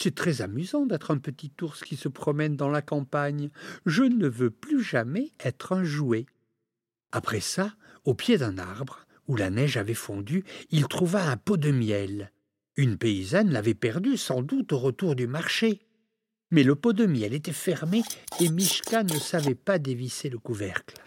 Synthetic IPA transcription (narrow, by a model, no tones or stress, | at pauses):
sɛt̪χɛzamyzɑ̃d̪ɛt̪χɛ̃pət̪it̪uʁskʲisəpχɔmɛnd̪ɑ̃lakɑ̃paɲʒənəvøplyʒamɛɛt̪χɛ̃ʒue | apχɛsa | opjed̪ɛ̃na̰ʁbʁ | ulanɛʒavɛfɔ̃d̪yilt̪χuvaɛ̃pod̪əmjɛl | ynpeizanlavɛpɛʁd̪ysɑ̃d̪ut̪oʁət̪uʁd̪ymaʁʃe | mɛləpod̪əmjɛlet̪ɛfɛʁmeemiʃkanəsavɛpad̪eviseləkuvɛ̰ʁkl